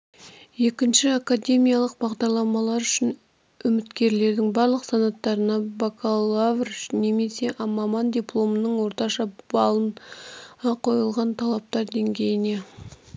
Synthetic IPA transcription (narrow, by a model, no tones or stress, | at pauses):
je̞kʲɪnʃɪakad̪ʲe̞mʲijalˠəq̚bɑʁd̪ɑɾlˠɑmɑlˠɑɾʏʃɪn | ʏmɪt̪kʲe̞ɾle̞ɾd̪ɪŋbɑɾlˠəqsɑnɑt̪ːɑɾənɑbakʰalˠavrne̞me̞se̞ʔɑmɑmɑnd̪ʲijplˠo̞mənəɴwo̞ɾt̪ɑʃɑbɑlˠən | ɑqʰo̞jəlˠʁɑnt̪ʰɑlˠɑp̚t̪ɑɾd̪e̞ŋɡʲe̞jɪne̞